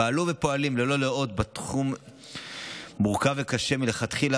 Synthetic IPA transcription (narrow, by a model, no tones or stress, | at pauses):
aːluvepo̞alimlelo̞leo̞t̪̚bat̪χum | uʁkavekaʃe̞mile̞χat̪χila